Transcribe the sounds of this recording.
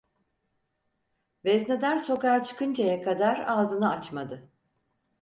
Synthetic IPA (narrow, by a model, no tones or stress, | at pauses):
vɛznɛd̪æɾso̞kaat͡ʃʰɯ̥kʰɯnd͡ʒajakʰad̪aɾaːzɯnɯat͡ʃmad̪ɯ